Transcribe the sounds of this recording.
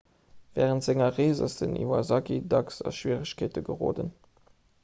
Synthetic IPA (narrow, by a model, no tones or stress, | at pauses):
v̥ɛːʁəntz̥ɪŋɐʁeːzɐ̰stənʔḭːvɐzɑkidɑksɑ̰ʃwiːʁəɕkʰeːtəɡəʁo̰ːdə̰n